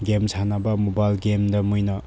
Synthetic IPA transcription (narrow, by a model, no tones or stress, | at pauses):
ɡemsʰanabɐmobajlɡemdɐmujnʌ